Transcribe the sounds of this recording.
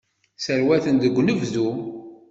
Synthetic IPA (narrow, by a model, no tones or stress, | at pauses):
səɾwæθənd̪əɡʷːnəvðum